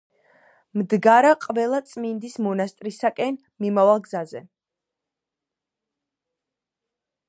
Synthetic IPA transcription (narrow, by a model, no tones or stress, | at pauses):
md̪ɡaɾaqʼvɛlˠat̪sʼmind̪ismɔnast̪ʼɾisakʼɛn | mimavalˠɡzazɛ